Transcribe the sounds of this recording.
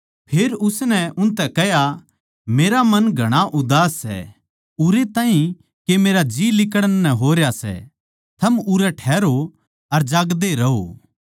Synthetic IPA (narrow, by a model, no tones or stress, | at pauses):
pʰeːɾʊsnɛʊnt̪ɛkɛɦja | meːɾamɐnɡʱɐɽ̃aʔʊd̪aːsːɛ̰ | ʊɾet̪ãːɦĩ | kemeːɾad͡ʒiːlɪkəɽnnɛɦoːɾjasɛ̰ | t̪ʰɐmʊɾɛʈʰɛːɾo | ɐɾd͡ʒaːɡd̪eɾɐɦo̰ː